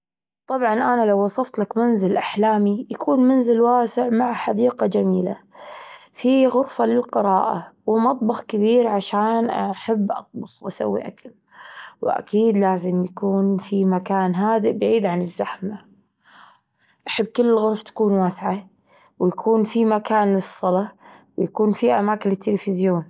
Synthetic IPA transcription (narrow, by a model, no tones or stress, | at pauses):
t̪ˤɑbʕɑnʔanalawːɑsˤɑft̪lakmanzɪlʔaħlaːmijakʰuːnmanzɪlwaːsɪʕmaʕħad̪iːqɑd͡ʒamiːla̰ | fiɣʊɾfalɪlqɨɾɑːʔa̰wɪmɑt̪ˤbɑxkabiːɾʕaʃaːnʔaħabːʔɑ̰t̪̚ˤbʊfwʔasa̰wːḭʔakal | wʔa̰kiːd̪laːzɪmjakuːnfimakaːnɦaːd̪ɪʔbaʕiːd̪ʕanɪzːaħma | ʔaħabːkɪlːɪlɣʊɾft̪ḁkuːnwaːsʕa | wjakʰuːnfimakaːnɨsˤːɑlɑwjakuːnfiʔamaːkɪnɪt̪ːɪlɪfɪzjoːn